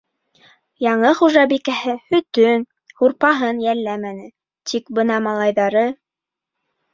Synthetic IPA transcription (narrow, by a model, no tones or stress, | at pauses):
jɑɴɤχuʒɑbikæhɘhɵ̆t̪ɵn | huɾpɑɦɤnjællːæmænɘ | t̪ikbɤnɑmɑlˠɑjðɑɾɤ